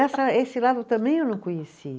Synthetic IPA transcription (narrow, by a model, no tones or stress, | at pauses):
ɛsɐesɪlad̪ʊt̪ɐ̃mbẽj̃ewnɐ̃w̃kõɲesi